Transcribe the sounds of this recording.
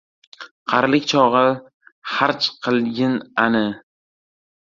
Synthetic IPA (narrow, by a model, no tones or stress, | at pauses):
qʰɑɾlɪkʲt͡ʃʰɒʁɨ | χaɾt͡ʃqʰɨlˠɡʲɪnanɪ